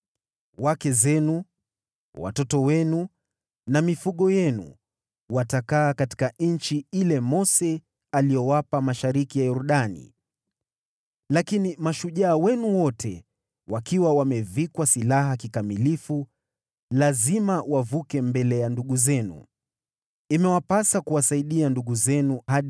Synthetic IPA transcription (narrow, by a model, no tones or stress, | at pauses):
wakɛzɛnu | wa̰tɔtɔwɛnu | namifuɠɔjɛnṵ | watakaːkati̥kan̩t͡ʃiilɛmɔsɛ | alijɔwapamaʃaɾikijajɔɾuɗanḭ | lakinimaʃuʄaːwɛnuwɔtʰɛ | wakiwawamɛvikwasilaɦakikamilifu | lazimawavukɛmbɛlɛjanduɠuzɛnṵ | imɛwapasakuwasaiɗianduɠuzɛnuhaɗ